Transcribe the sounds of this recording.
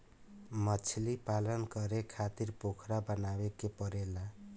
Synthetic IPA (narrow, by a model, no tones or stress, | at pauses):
mʌt͡ʃʰlipalʌnkʌɾekʰat̪iɾpokʰɾabʌnawekepʌɾela